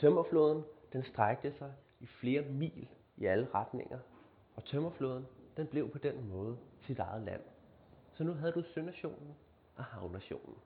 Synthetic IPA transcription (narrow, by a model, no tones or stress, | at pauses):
t͡sʰømɐflo̝ːðˠn̩d̥ensd̥ʁaɡ̥̚d̥əsɑ̈ɪ | ifle̝ːɐmḭːl | iæləʁad̥ne̝ŋ̰ɐ | ɒ̽t͡sʰømɐflo̝̰ːðˠn̩d̥enb̥le̝ʊpʰɒ̽d̥enmɔ̽ːð̞̩ˠəsid̥ɑ̈ɪð̞̩ˠlæ̰n̰ | sɒ̽nuɦæðˠəd̥usønæɕo̝̰ːnn̩ | ʔɒ̽hɑ̈ʊnæɕo̝̰ːnn̩